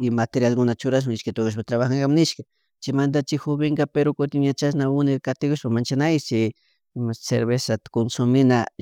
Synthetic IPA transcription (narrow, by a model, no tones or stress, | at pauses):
mat̪eɾjalkʊnat͡ʃʊɾaʃ̬mɪnɪʃkat̪okaʃ̬pat̪ɾaβaxaŋɡamnɪʃka | t͡ʃɪmand̪at͡ʃɪxʊβɪŋɡapeɾokʊt̪ɪŋɲat͡ʃasnaʊnɪɾkat̪ɪkʊʃpamant͡ʃanajt͡ʃɪ | msḛɾβesat̪konsʊmɪna